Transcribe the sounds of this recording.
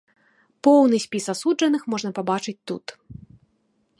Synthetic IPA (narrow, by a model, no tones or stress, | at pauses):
pɔwnɨsʲpʲisasud͡ʐɐnɨxmɔʐnɐpabat͡ʂɨt͡sʲt̪ṵt̪